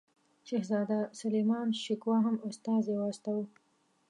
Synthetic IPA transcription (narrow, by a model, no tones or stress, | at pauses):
ʃehzɑːd̪asalemɑːnʃɪkwɑɦamʊst̪ɑːzewɑst̪awu